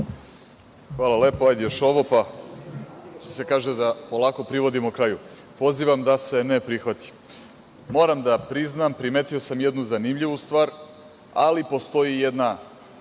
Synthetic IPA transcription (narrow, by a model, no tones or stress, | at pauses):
xʋaːlale̞ːpoajd̪ijoʃo̞ʋo̞pa | ʃt̪o̥se̞kaːʒed̪apo̞lˠaːko̞pɾiʋo̞d̪imokɾaːju | po̞ziːʋamd̪ase̞ne̞pɾixʋat̪i̥ | mo̞ːɾamd̪apɾiznampɾimet̪io̞samjed̪nuzanimʎiʋust̪vʋaːɾ | alipo̞st̪o̞jijed̪na